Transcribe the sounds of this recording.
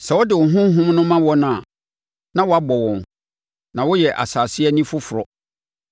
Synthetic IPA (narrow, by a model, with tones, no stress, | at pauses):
sɛ˨wɔ˦dɪ˨wʊ˨ɦʊ̃˦ɦʊ̃˦m˦nʊ̃˦mã˦wɔ˦nʊ̃˦˨a˨ | nã˦wɔ˨a˦bɔ˨wɔ̃˨n | nã˨wʊ˦jɛ˨ʔa̰˨saː˨sɪ˦ɛ˦nĩ˦fʊ˦fʊ˨ɾɔ˦